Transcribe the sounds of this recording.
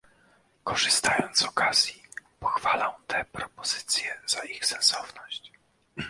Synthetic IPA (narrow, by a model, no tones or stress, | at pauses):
kɔʐɨst̪ajɔnt̪zɔkazʲjipɔxfalɔw̃t̪ʰɛpɾɔpɔzɘ̥t̪sʲjɛz̥aixsɛnsɔvnɔɕt͡ɕ